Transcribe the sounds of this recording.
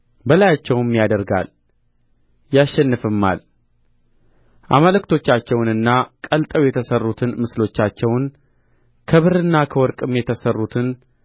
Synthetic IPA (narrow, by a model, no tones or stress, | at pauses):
bəlajat͡ʃːɛwmjad̪əɾɡa̰l | jaʃːɛnːɨfɨmːa̰l | ʔaməlɨkt̪ʰo̞t͡ʃːat͡ʃːɛwnɨnːakʼəlt̪ʼəwjɛt̪ʰəsərːut̪ʰɨnmɨslo̞t͡ʃːat͡ʃːɛwn | kʰəβɨɾɨnːakʰəwɔɾkʼɨmjɛt̪ʰəsərːut̪ʰɨn